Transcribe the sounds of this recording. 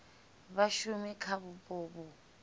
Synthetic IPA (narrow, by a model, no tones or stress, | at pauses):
βaʃumikʰaβupʼoːβu